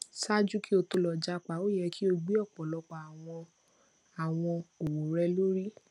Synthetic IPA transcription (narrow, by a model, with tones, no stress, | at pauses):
sa˦d͡ʒu˦ki˦o˧to˧lɔ˨d͡ʒa˧k͡pa˨o˦jɛ˧kʰi˦o˧˦ɡ͡bi˦ɔ˦˨k͡pɔ̃˨lɔ˧k͡pa˨a˨w̃ɔ̃˧ | a˨w̃ɔ̃˧o˨wo˨ɾɛ˧˦lo˦ɾi˦